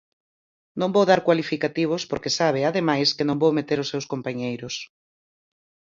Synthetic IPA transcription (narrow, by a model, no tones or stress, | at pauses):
nõmbowðaɾkwalifikat̪iβ̞ʊspoɾkesaβ̞ɪaðemajskɪnõŋbowmet̪eɾʊsːewskompaɲejɾʊs